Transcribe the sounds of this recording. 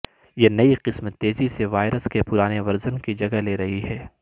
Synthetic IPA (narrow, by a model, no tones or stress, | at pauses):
jenɐiqɪsmt̪ːeːziseʋaːɪɾəskepʊɾaːneʋɐɾzənkid͡ʒɐɡaleːɾɐɦiɦɛː